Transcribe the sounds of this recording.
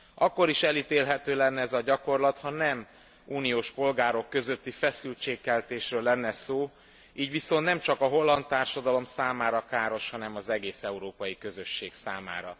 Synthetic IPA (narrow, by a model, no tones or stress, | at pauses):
ɒkːo̞ɾiʃɛlit̪eːlɦɛt̪øːlɛnːɛɛzɒɟɒko̞rlɒt̪hɒnɛm | uːnijoːʃpo̞lɡaːɾo̞kːø̞zø̞t̪ːifɛsylt͡ʃeːkːɛlt̪eːʃrøːlːɛnːɛsoː | iːɟʋiso̞nt̪nɛmt͡ʃɒkɒɦo̞lːɒnt̪aːrʃɒd̪ɒlo̞msaːmaːɾɒkaːɾo̞ʃhɒnɛmɒzɛɡeːsɛuɾoːpɒjikø̞zø̞ʃːeːksaːma̰ːɾɒ̰